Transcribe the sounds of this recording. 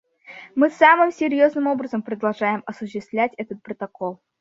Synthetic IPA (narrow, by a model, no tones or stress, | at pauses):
mɨsamɨmsʲɪɾʲjoznɨmo̞bɾəzəmpɾəd̪ɐlˠʐajɪmɐsʊɕːɪst̪vlʲætʲɛt̪ət̪̚pɾət̪ɐkolˠ